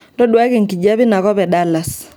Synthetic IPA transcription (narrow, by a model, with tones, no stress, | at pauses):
ndɔ˦ɗwa˦ɣe˦˨ŋ̩˨ki˨d͡ʒa˦βi˦na˨ɣɔ˦βɛ˨ɗa˦la˨s